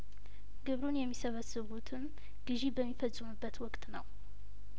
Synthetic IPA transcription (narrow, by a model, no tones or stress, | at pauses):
ɡɨβɾunjɛmːisɐβəsɨβut̪ʰɨm | ɡ̥ɨʒibəmːifət͡sʼːumɨbːət̪wɔkt̪ʰnɐw